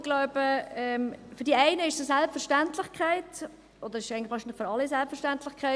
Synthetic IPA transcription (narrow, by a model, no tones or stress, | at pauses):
ɡlaʊbəɛmfyɾdiæɪnəɪʃsosɛlpfəɾʃtæntlɪχkχæɪt | ʔod̪əɾɪʃæɪɡŋnlɪχʋɑːɾʃinlɪχføɾɑlːisɛlpfəɾʃtæntlɪχkʰæɪ